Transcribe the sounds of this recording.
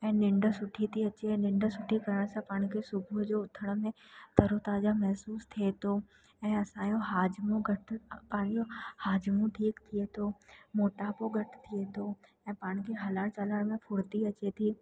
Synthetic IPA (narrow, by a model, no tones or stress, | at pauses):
ɛ̃ːnɪ̃ɳɖəsʊʈʰit̪ʰiɐt͡ɕenɪ̃ɳɖsʊʈʰikɐɾəɽ̃sãpaːɽ̃kʰesʊbʱd͡ʑoʊt̪ʰəɽ̃mẽt̪ɐɾot̪aːd͡ʒamɛɦsuːst̪ʰiet̪ʰoː | ɛ̃ːɐsãjoɦaːd͡ʑmõɡɐʈpaːnjohaːd͡ʑmũʈʰiːkt̪ʰiet̪ʰoːmoːʈaːpoɡʱɐʈʰt̪ʰiet̪ʰoɛ̃ːpaːɽ̃kʰeɦɐlaːɽt͡ɕalaɽmẽfʰʊɽt̪iɐt͡ɕet̪ʰiː